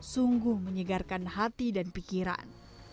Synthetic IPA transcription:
suŋɡuhməɲəɡarkanɦat̪idanpikiɾa̰n

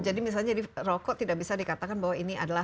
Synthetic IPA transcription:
d͡ʒadimis̬alɲadirɔkɔt̪idaʔ̚bisadikat̪akanbawainiadala

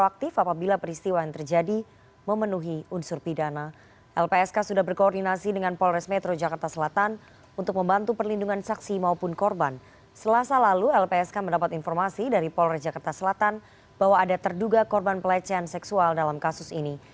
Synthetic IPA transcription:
oak̚t̪ɪfapabilapəɾist̪iwajaŋt̪ərd͡ʒadi | məmənuɦiunsʊrpidana | ʔɛlpeɛskasudahbərkoːrdinasidəŋanpɔlrɛsmɛt̪ɾod͡ʒakart̪asəlat̪an | unt̪ʊk̚məmbant̪upərlinduŋansaksimaupʊnkɔrban | səlasalaluɛlpeɛskaməndapat̪infɔrmasidaɾipɔlrɛsd͡ʒakart̪asəlat̪an | b̥aɦwaːdat̪ərduɡakɔrbanpəlat͡ʃɛansɛksualdalamkasʊsini

